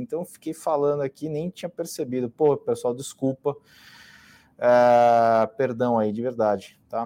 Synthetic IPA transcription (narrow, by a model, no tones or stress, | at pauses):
ẽnt̪ɐ̃w̃fi̥kejfalɐ̃d̪ʊakinẽj̃t͡ʃĩɲɐpeɾsebid̪ʊpohɐpesuawd͡ʒɪskupɐ | ɛ | peɾd̪ɐ̃w̃aid͡ʒɪveɾd̪ad͡ʒɪt̪a